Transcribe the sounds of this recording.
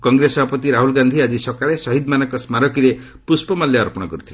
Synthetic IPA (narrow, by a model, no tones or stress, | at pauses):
kɔŋɡɾesɔbʱapɔt̪iɾaɦulɡand̪ʱiad͡ʒisɔkaɭesɔɦid̪manɔŋkɔsmaɾɔkiɾe | puspɔmaljeɔɾpɔɽ̃ɔkɔɾut̪ʰile